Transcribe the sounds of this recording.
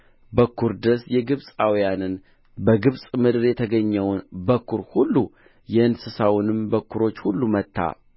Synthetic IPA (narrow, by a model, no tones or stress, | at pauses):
bəkʰːuɾd̪ɾsjɛɡɨβsʼawijanɨn | bəɡɨβsʼmɨd̪ɨɾjɛt̪ʰəɡəɲːɛwnbəkːuɾhulːu | jɛɨnsɨsawnɨmbəkːuɾo̞t͡ʃːhulːumət̪ːa̰